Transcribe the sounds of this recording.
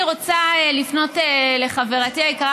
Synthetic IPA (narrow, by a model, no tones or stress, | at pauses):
iʁo̞t͡saelifno̞tele̞χave̞ʁatiajkaʁ